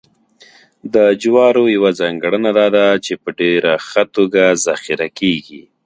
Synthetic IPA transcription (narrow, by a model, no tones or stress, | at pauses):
d̪əd͡ʒwɑɾojawazɑŋɡɽənad̪ɑd̪at͡ʃepəɖeɾaxat̪oɡazaxiɾakeɡi